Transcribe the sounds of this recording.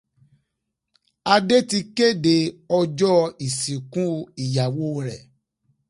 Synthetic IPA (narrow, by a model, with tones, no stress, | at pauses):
a˧de˦ti˧ke˦˨de˨ɔ˧d͡ʒɔ˦i˨sĩ˨kũ˦i˦˨ja˨wo˦˨ɾɛ̰˨